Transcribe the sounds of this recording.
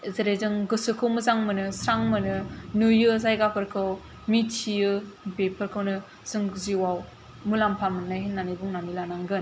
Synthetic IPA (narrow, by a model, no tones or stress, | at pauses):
zeɾejzɯŋɡɯsɯkʰɯwmɯzaŋmɯnɯsɾaŋmɯnɯnujɯzajɡapʰɯɾkʰɯw | mitʰijɯbepʰɯɾkʰɯwnɯ | sɯŋziwaw | mulampʰamɯnːajɦinːanibuŋnanilanaŋɡɯn